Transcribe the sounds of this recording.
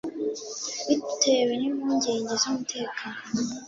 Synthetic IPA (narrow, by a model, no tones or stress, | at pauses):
βitʰe̞wenimuːɲɟe̞ːɲɟe̞zumutʰe̞ːkaːno